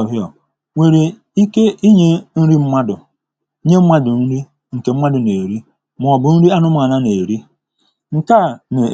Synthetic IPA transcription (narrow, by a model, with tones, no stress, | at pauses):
ɦi˦ɔ˨ | ŋʷe˨ɾe˨ | i˦ke˦ʔi˦ɲe˦n̩˦ɾi˦m̩˦ma˦dʊ˨˦ | ɲe˦m̩˦ma˦dʊ˨n̩˦ɾi˦ | ŋ̩˨ke˨m̩˦ma˦dʊ˨ne˨ɾi˦ | m˨ɔ˨bʊ˨n̩˦ɾi˦a˦nʊ˦m˨a˨na˦ne˨e˨ɾi˦ | ŋ̩˨ka˦˨ne˨